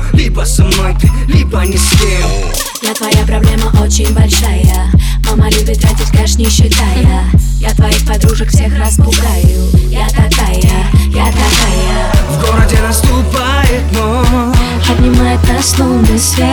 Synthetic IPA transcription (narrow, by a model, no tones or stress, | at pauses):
lʲibəsɐmat̪ʲɨlʲibənʲɪstʲe | jat̪vɐjapɾɐblʲe̞məʔot͡ɕɪnʲbɐlʲʂajə | mamalʲubʲɪt̪ːɾatʲɪtʲkaʂnʲɪɕːɪt̪ajə | jat̪vɐixpɐd̪ɾuʐəkfsʲe̞xɾaspʊɡajʊjat̪ɐkajə | jat̪ɐkajə | vɡoɾədʲɪnɐst̪ʊpa | jɪt̪mom | pəd̪ʲnʲɪmajɪt̪ːəɐsnovnəsʲ